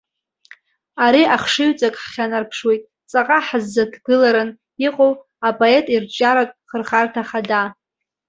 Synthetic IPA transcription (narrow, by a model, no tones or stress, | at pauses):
aɾiaχʂɨɥt͡sʼakʼħχʲanarpʰʂwe̞jtʼ | t͡sʼaqʼaħazːadʰɡɨlaɾɨn | iqʼow | apʼoe̞tʼirt͡ʃʼaɾakʼχərχartʰaχada